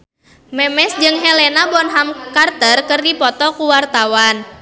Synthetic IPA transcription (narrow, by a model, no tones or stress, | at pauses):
mɛmɛsd͡ʒɨŋɦelenabɔnɦamkart̪ərkɨrdipɔt̪ɔkuwart̪awan